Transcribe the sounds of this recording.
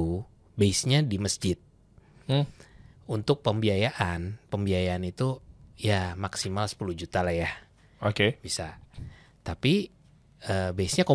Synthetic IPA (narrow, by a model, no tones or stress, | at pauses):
u | baɪsɲadiməsd͡ʒɪt̪̚ | unt̪ʊk̚pəmbiajaʔanpəmbiajaːnit̪ujamaksimalsə̥puluhd͡ʒut̪alahjah | okeb̥isa | t̪api | əbaɪsɲako